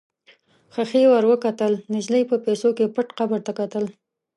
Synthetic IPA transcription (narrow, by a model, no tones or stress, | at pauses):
xaxewaɾwəkat̪əlnɪʒləjpəpesokepəʈqabəɾt̪akat̪əl